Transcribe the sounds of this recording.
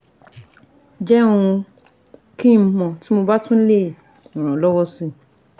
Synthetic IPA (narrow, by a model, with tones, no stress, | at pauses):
d͡ʒɛ˦w̃ũ˧ | kĩ˦˨m˦mɔ̃˨ti˨˦mo˧ba˦tũ˦le˦˨ | nɔ̃˨ɾ̃ɔ̃˨lɔ˦wɔ˦sĩ˧